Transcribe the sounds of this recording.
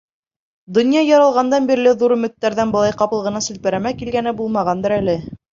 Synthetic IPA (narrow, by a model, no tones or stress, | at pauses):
d̪ŏnjɑjɑɾɑlˠʁɑnd̪ɑnbiɾlɘðuɾɵ̆mɵ̆t̪ːæɾðænbɤ̆lˠɑjqɑpɤ̆lˠʁɤ̆nɑsɵ̆lpɘ̆ɾæmækilɡænɘbulˠmɑʁɑnd̪ɤɾælɘ